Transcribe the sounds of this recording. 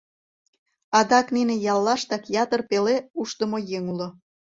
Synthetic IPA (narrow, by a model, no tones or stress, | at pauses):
ɑd̪ɑkninejɑlːɑʃt̪ɑkjɑt̪ərpeleuʃt̪əmojeŋulŏ